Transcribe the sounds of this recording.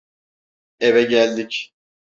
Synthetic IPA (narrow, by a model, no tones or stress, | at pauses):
evɛɟælʲd̪ic